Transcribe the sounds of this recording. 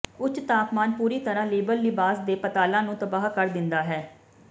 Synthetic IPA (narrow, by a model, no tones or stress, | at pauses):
ʊt͡ʃt̪aːpmaːnpuːɾiːt̪əɾãːleːbəlːɪbaːsd̪eːpət̪aːlãːnũːt̪əbaːɦkəɾd̪ɪnd̪aːɦɛː